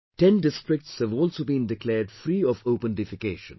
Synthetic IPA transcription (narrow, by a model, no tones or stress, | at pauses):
ʈɛ̃nɖɪsʈɾɪk̚ʈshævɔːlsoːbĩnɖɪklɛːɖfɾiːɔfoʊpə̃nɖɪfɪkeːʃə̰̃n